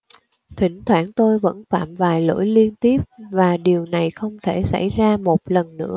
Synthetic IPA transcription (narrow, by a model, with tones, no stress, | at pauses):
t̪ʰï˧˩ŋ̟t̪ʰwaː˧˥ŋt̪o˧jvə̰˧˥nfaː˧˩mvaː˨˩jlo̰˧˥jli˧ənt̪i˦˥əp̚vaː˨˩ɗi˨˩əwna˨˩jxə˧wŋ͡mt̪ʰe˧˩sa̰˧˩jzaː˧mo˨˩t̚lə˨˩nːɨ̰˧˥ə